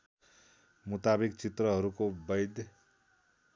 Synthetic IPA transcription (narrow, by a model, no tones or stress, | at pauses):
mut̪abikt͡sit̪rʌɦʌɾukobʌjd̪